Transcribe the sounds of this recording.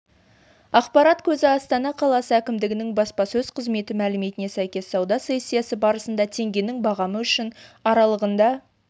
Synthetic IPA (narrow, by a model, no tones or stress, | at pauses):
ɑqpɑɾɑt̪kʲʰɵzɪɑst̪ɑnɑqʰɑlˠɑsəækʲɪmd̪ɪɡʲɪnɪŋbɑspɑsɵz̥qʰəzme̞t̪ɪmælɪme̞t̪ɪne̞sæjkʲe̞sːɑwd̪ɑse̞sʲːijɑsəbɑɾəsənd̪ɑt̪ʰe̞ŋɡʲe̞nɪŋbɑʁɑməʏʃɪnɑɾɑlˠəʁənd̪ɑ